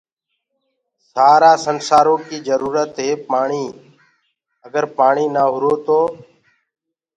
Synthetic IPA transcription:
saːɾaːsənsaːɾõːkiːd͡ʒəɾuːɾət̪ɦeːpaːɳiː | əɡəɾpaːɳiːnaːɦʊɾoːt̪oː

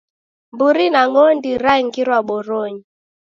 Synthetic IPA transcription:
mbuɾinaŋɔndiɾaiŋɡiɾwaɓɔɾɔɲi

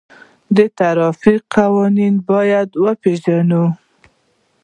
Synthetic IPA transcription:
d̪ət̪aɾɑfiqawɔninbɑjad̪wəpeʒanu

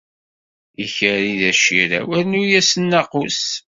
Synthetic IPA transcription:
içəɾiðæʃiɾæ̰wæɾnujæsənːɑqus

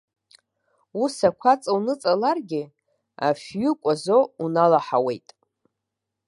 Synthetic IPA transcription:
usakʷʰat͡sʼawnɨt͡sʼalarɡʲɪ | a̰fɥʏkʷʼazounalaħawe̞̰jtʼ

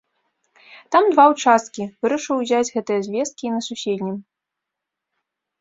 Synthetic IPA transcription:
t̪amd̪vawt͡ʂast̪kʲivɨɾɐʂɨwzʲad͡zʲɣɛt̪ɨjɐzʲvʲɛst̪̚kʲinɐsusʲed̪ʲnʲim

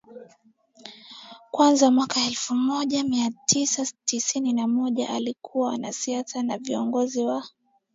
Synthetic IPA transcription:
kwanzamwakaɛlfumɔʄamiatʰisatisininamɔʄa̰ʔalikʰuwawana̰siasanaviɔŋɡɔziwa

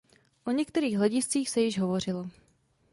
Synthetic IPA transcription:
ʔo̞ɲɛkt̪ɛɾiːɣɦlɛɟɪst͡siːxsɛjɪʒɦo̞vo̞r̝ɪlo

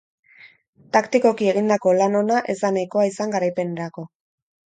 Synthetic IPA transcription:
t̪akt̪iko̞kie̞ɣ̞ind̪ako̞lano̞naʔe̞zd̪anajko̞aisaŋɡaɾajpe̞neɾako̞

